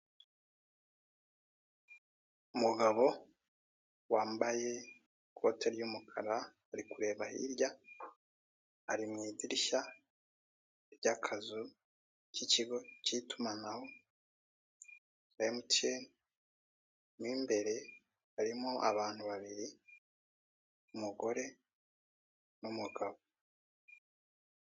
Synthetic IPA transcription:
umuɡaβo̞ | waːmbaje̞ | kʰo̞̰ːtʰeɾjuːmukʰaɾaː | ɾikuɾe̞ːβahḭɾɟa | a̰ɾimŋiːdiɾiʃa | eɾɟakʰazu | ciciɡo̞citumanaho̞ | aemuteni | miːmbe̞ɾe̞ | aɾimoʔa̰βaːn̥huβaβiɾi | umuɡo̞ɾe̞ | numuɡaβo

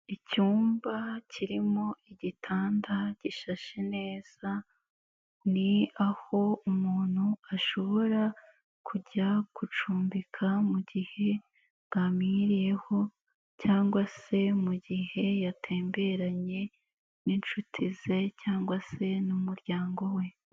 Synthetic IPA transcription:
icuːmbacʰiɾimo̞iɟitʰaːndaɟ̥iʃaʃene̞ːz̥a | niaho̞umuːn̥huaʃo̞βo̞ɾa | kʰuɟakut͡ʃuːmbikʰamuɟihe̞ | ɡ̥amiɾije̞ho̞ | caːŋɡwase̞muɟihe̞jatʰe̞ːmbe̞ɾaɲe̞ | nint͡ʃutʰize̞caːŋɡwase̞numuɾjaːŋɡo̞we̞

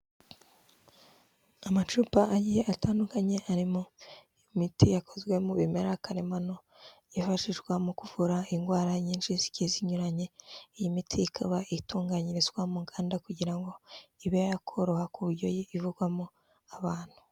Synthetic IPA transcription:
amat͡ʃuːpaʔajijeataːndukaɲe̞ʔaɾimo | imitʰijako̞zɡwe̞muβimeɾakaɾemano | jifaʃiʒɡwamukuv̥uɾaiŋɡwaːɾaɲiːnʃizi̥ceziɲuɾaɲe̞jimitʰiikʰaβaituːŋɡaɲiɾizwamuŋɡaːndakuɟiɾaŋɡo̞iβejjakʰo̞ɾohakuβuɾɟo̞jiivuɡwamo | aβaːn̥hu̥

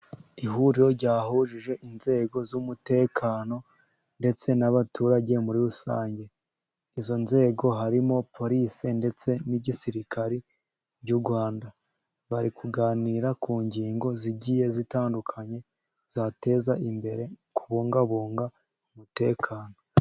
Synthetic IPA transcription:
iɦuɾiɾo̞ɾɟaːhuʒiʒe̞ʔinze̞ɡo̞zumute̞ːkʰaːno̞ | nde̞t͡se̞naβatuːɾaɟe̞muɾiɾusa̰ːɲɟe̞ | izo̞nze̞ːɡo̞ɦaɾimo̞pʰo̞ɾisinde̞t͡se̞niɟisiɾikʰaɾi | bɟuɾɡwaːnda | βaɾikʰuɡaːniːɾakuːɲɟiːŋɡo̞ziɟije̞zitaːndukʰaɲe̞ | z̥ate̞zaʔimbe̞ɾe̞kʰuβuːŋɡaβuːŋɡa | umute̞ːkʰaːno̞

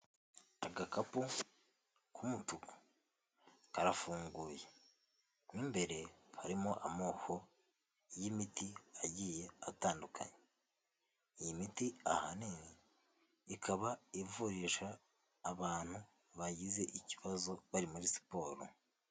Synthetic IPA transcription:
aɡakapu | kʰumutuko̥ | kaɾafuːŋɡuːje̞ | nimbe̞ɾe̞haɾimoʔamoːkʰo̞ | jimitiaɟije̞ataːndukʰa̰ɲe | ijimitia̰ha̰niniː | kʰaβaivuɾiʃaː | βaːn̥hu | βaɟize̞ʔiciβazo̞βaɾimuɾisi̥po̞ːɾo̰

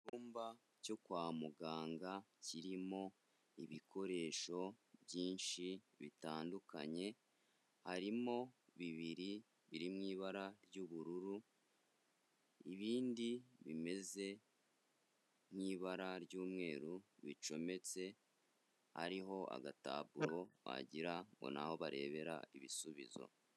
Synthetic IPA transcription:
uːmba | co̞kwaːmuɡaːŋɡaciɾimo̞ | ḭβikʰo̞ɾe̞ːʃo̞bjiːnʃi | βitaːnduka̰ɲe̞ | haɾimo̞βiβiɾi | βiɾimŋiːβaɾaɾjɟuβuɾuɾu | iβiːndiβime̞ze̞ | mŋiːβaɾaɾɟuːmŋe̞ːɾuβit͡ʃo̞me̞t͡se̞ | ha̰ɾiɦo̞a̰ɡata̰βuɾo̞βa̰ɟiɾaŋɡo̞̰na̰ho̞βaɾʔe̞̰ːβe̞ɾa̰iβisuβḭzo̰

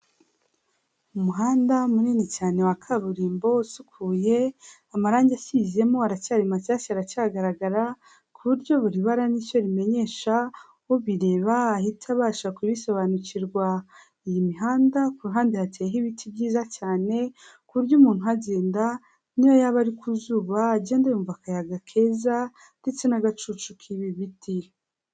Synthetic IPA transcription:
umuɦaːndamuniːnicaːne̞wakʰaβuɾiːmbo̞sukʰuːje̞ | amaɾaːɲɟeacize̞mo̞aɾacaɾimacaːsiaɾacaɡaɾaɡaɾa | kʰuβuɾɟo̞βuɾiβaɾanico̞ɾime̞ɲe̞ːʃa | oβiɾe̞ːβaːhitʰaβaːʃakuβiso̞βanuciɾɡwa | ijimiɦaːndakuɾuɦaːndihatʰejeɦiβitʰibɟiːzacaːne̞ | kuβuɾɟuːmuːn̥uɦaɟeːnda | nijojaβaɾikuzuːβaːɟe̞ːndajuɱvakajaɡakʰe̞ːza | nde̞t͡se̞naɡat͡ʃut͡ʃukʰiβiβiti

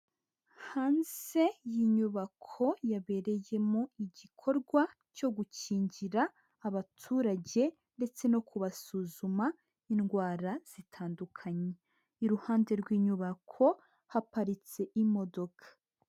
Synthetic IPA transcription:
haːnze̞jiɲuβakʰo̞jaβe̞ɾe̞je̞moiɟikʰo̞ɾɡwa | co̞ɡuciːɲɟiɾaː | βatʰuːɾaɟe̞ | nde̞t͡se̞no̞kʰuβasuːzuma | inɡwaːɾaz̥itʰaːndukʰaɲe | iɾuhaːnde̞ɾɡwiːɲuβakʰo̞ | hapaɾit͡se̞ʔimo̞do̞kʰḁ

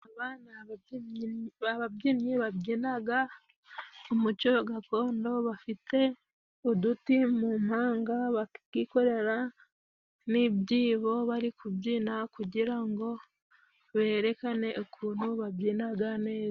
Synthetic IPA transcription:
aβaːnaβ | aβabɟimɲiβabɟinaɡa | omucoɡako̞ːndo̞βafite̞ | udutimum̥haːŋɡaβakiko̞ɾe̞ɾa | nibɟiːβo̞βaɾikubɟiːnakuɟiɾaŋɡo̞ | βe̞ːɾe̞kane̞ʔokʰuːn̥huβabɟiːnaɡane̞ːza

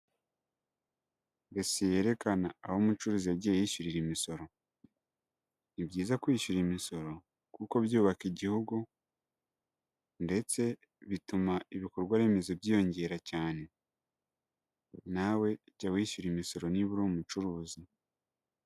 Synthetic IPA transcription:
ɡeseje̞ɾe̞kanaːhomut͡ʃuɾuːziaɟeːiʃuɾiɾimiso̞ɾo̞ | nibɟiːzakwiːʃuɾimiso̞ɾo̞ | kuko̞βjuːβakiɟihuɡu | nde̞t͡se̞ | βitumaiβiko̞ɾɡwaɾe̞me̞zo̞bjiːjo̞ɲɟe̞ɾacaːne̞ | nawe̞ɟawiːʃuɾimiso̞ɾo̞niβuɾumut͡ʃuɾuːzi

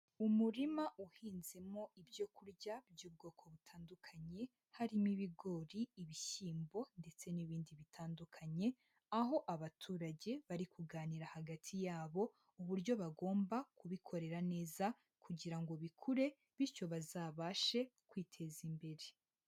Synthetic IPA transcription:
umuɾimaʔuhiːnzemo̞ʔibjo̞kuɾɟab̚ɟuːb̚ɡo̞ːkʰo̞βutʰaːndukʰaɲe̞ | haɾimiβiɡo̞ːɾiːβiçiːmbo̞nde̞t͡se̞niβiːndiβitʰaːndukʰaɲe̞ | aɦo̞ʔaβatʰuːɾaɟe̞βaɾikuɡaːniɾahaɡatʰijaːβo̞ | uβuɾɟo̞βaɡo̞ːmbakuβikʰo̞ɾe̞ɾane̞ːza | kʰuɟiɾaŋɡo̞βikʰuɾe̞ | βiɾco̞βazaːβaʃe̞kwiːtʰe̞zimbe̞ɾe̞

